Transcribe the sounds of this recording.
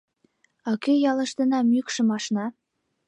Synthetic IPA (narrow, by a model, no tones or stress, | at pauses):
ɑkejɑlɤ̆ʃt̪ɤ̆nɑmykʃɤ̆mɑʃnɑ